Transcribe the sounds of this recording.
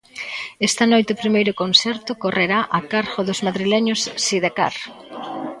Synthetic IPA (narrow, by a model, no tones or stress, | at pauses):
ɛst̪ɐnojt̪eʊpɾimejɾʊkonsɛɾt̪ʊkoreɾaʔakaɾɣoðʊzmaðɾilɛɲʊsːiðaka̰ɾ